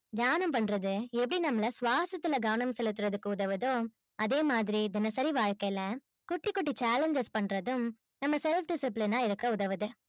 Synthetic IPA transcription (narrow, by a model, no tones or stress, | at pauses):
d̪jaːnɐmpɐɳːɾɐðɯɛp̬ːɐɽinɐmːɐlɐsʋaːsɐt̪ːɪlɐɡɐʋɐnɐmsɛlːɯt̪ːɪɾɐðɯkːɯʊðɐʋɯðoː | ɐðeːmaːðɪɾid̪ɪnɐsɐɾiʋaːɻkɐjlɐ | kʊʈːikːɔʈːit͡ʃaːlɛɲd͡ʒɐspɐɳːɾɐðɯm | nɐmːɐsɛlfɖɪsɪplɪnaːɪɾɯkːɐʊðɐʋɐðɯ